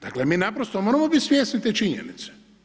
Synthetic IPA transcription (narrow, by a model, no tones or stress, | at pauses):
d̪̥aklemiːnapɾost̪omoːɾamobit̪ʲsʋjesnit̪et͡ʃiɲḛnit̪se̥